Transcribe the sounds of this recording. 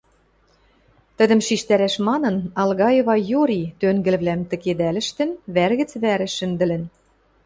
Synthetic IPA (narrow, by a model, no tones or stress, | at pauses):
t̪ə̆d̪ə̆mʃiʃt̪æɾæʃmɑnɤ̆nɑlɣɑjeβɑjuɾʲit̪øŋɡɘ̆lβlæmt̪ɘ̆ked̪ælɘ̆ʃt̪ɘ̆nβærɣɘ̆t͡sβæɾɘ̆ʃɘ̆nd̪ɘ̆lɘ̆n